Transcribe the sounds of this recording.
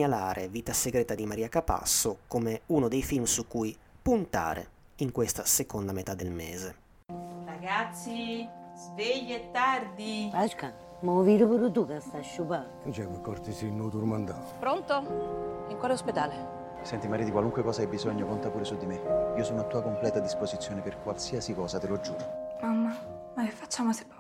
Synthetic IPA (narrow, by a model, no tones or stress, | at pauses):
alaːɾʔevit̪aseɡɾɛːt̪ad̪imaɾiːakapa̰sːokomeunod̪ejfilmsukːuj | punt̪a̰ːɾḛ | iŋkwest̪asekond̪amet̪ad̪ːelmḛːze | raɡat̪sːizveʎːeet̪ːard̪ibaʃka | moviɾupuɾut̪ukast̪aʃːupa | d͡ʒɛkikːɔɾt̪isinːut̪uɾmand̪a | pɾont̪oiŋkwaːleosped̪aːle | sɛnt̪imaɾid̪ikwaluŋkwekɔːsaajbizɔɲːokont̪apuːɾesud̪ːimeiːosɔːnoat̪ːuːakomplɛːt̪ad̪ispozit̪sːjoːneperkwalsiːasikɔːsat̪elod͡ʒːuːɾomamːa | makefːat͡ʃːaːmose̥